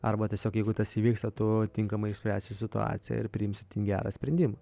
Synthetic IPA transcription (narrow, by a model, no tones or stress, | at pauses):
ɐɾbɐt̪ʲiɛsʲoːkjɛɪɡʊt̪ɐsiːʋʲiːkst̪ɐt̪ʊt̪ʲɪŋkɐmɐɪɪʃsʲpʲɾʲæːsʲt̪ʲɪsʲɪt̪ʊɑ̰ːt̪sʲɪjɛ̰ɪɾpʲɾʲɪɪmʲsʲɪt̪ʲinɡʲæ̰ːɾɑ̰ːsʲpʲɾʲɛnʲd̪ʲɪmɐ